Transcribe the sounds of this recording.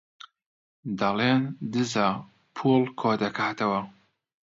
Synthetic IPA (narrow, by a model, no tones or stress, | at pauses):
d̪ɐleːnd̪ɨza | pʰulˠkʰoːd̪ɐkʰaːt̪ʰɐwɐ